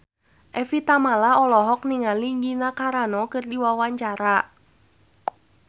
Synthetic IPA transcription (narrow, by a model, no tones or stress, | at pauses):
ʔɛfit̪amalaɔlɔɦɔk̚niŋaliŋɡinakaɾanɔkɨrdiwawaɲt͡ʃaɾa